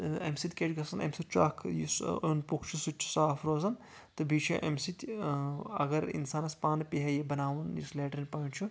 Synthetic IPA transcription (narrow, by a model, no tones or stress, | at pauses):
ɐmsit̪ʲkʲet͡ʃɡɐsɐnɐ̰msit̪̚ʲt͡ʃa̰ːkʰjusunpukʰt͡ʃʰusut͡ʃːʰi̥saːfɾoːzɐn | t̪ɨbʱiːt͡ʃʰiʔɐ̰msit̪ʲ | ɐ̰ɡɐɾḭnsaːnɐspaːnpiɦɐjibɐnaːʋunjḭsleːʈɾinʲpɐːnt͡ʃʰu